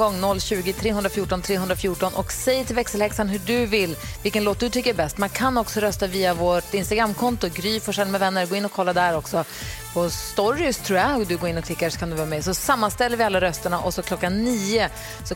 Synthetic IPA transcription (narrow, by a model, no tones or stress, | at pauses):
ɡɔŋːnɔlːɕʉ̟ːɡɪt̪ʰɾeːɵnd̪ɾafjuːʈɔnt̪ʰɾeːɦɵnd̪ɾafjuːʈɔnʔɔ̰ksɛjt̪ʰɪlvɛksəlhɛksanɦɵɖɵvɪlːvɪlkənloːt̪̚d̪ɵt̪ʰʏkːəbɛst̪mankʰanɔksɔɾœst̪aviːavoːʈɪnst̪aɡɾamːkʰɔnt̪ʊɡɾyːfɔʂɛlːmɛvɛnːəɾɡoːɪnːɔkʰɔlːad̪æɾɔksɔ | pʰɔst̪ɔɾɪst̪ʰɾuːjad̪ɵɡoːɾɪnːɔklɪkːaʂɔ̥kʰand̪ɵvœːɾamɛsɔsamːanst̪ɛlːəɾvɪalːaɾœst̪əɳaʔɔsɔkʰlɔkːanːiːʊ | sɔ